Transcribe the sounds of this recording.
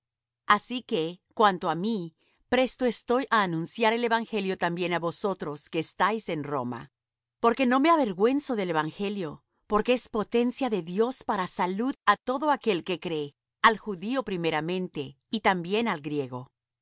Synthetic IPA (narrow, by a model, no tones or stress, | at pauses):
asike̞kwant̪o̞ami | pɾe̞st̪o̞e̞st̪o̞jʔaːnũnsjaɾe̞le̞βaŋxe̞ljo̞t̪ambje̞naβo̞so̞t̪ɾo̞ske̞ːst̪ajse̞nro̞̰ma̰ | po̞ɾke̞no̞me̞aβe̞ɾɣwe̞nso̞ðe̞le̞βaŋxe̞ljo̞ | po̞ɾkeespo̞t̪e̞nsjaðe̞ðjo̞spaɾasaluðat̪o̞ðo̞ake̞lke̞kɾe̞ | alxuðio̞pɾime̞ɾamẽ̞nt̪e̞ | it̪ambje̞nalɡɾje̞ɣo̞